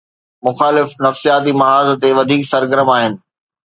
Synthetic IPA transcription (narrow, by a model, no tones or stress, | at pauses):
mʊxaːlɪfnɐfsijaːt̪̬imɐɦaːzt̪eʋɐd̪ʱiːksɐɾɡəɾəmaːɦɪnɪ̆